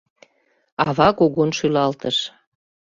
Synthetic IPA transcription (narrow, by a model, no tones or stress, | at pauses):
ɑβɑkoɣonʃylɑlt̪əʃ